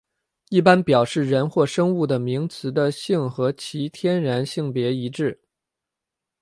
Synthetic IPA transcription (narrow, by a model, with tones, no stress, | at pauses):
i˥˩pa˥npjɑ˨˩ʊʂɻ̩˥˩ɻə˧˥nxwɔ˥˩ʂɤ˥ŋu˥˩d̪ə˩mi˧˥ŋt͡sʰɹ̩˧˥d̪ə˧ɕi˥˩ŋxɤ˧˥t͡ɕʰi˧˥t̪ʰjɛ˥nɻa˧˥nɕi˥˩ŋpjɛ˧˥i˧˥ʈ͡ʂɻ̩˥˩